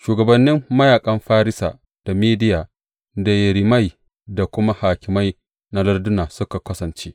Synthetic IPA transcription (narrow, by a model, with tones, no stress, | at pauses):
ʃuː˨ɡɐ˨bɐ˨nːɪ˦mːɐ˦jaː˨kʼɐ˦mɸaː˦ɾɪ˦sa̰ː˨ | d̥a˨miː˦dɪ˦jaː˨ | da˨jɐ˨ɽi˨ma˦j | da˨kʷʊ˦ma˦haː˨kʲɪ˨ma˦j | na˦lɐ˦rdʊ˦naː˨sʊ˦ka˨kɐ˦sɐ˨nt͡ʃeː˦ʔ